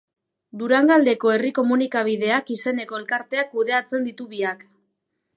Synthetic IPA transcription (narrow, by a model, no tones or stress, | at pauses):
d̪uɾaŋɡald̪e̞ko̞e̞riko̞munikaβ̞iðe̞akise̞ne̞ko̞e̞lkaɾt̪e̞akuðe̞at͡se̞nd̪it̪uβiak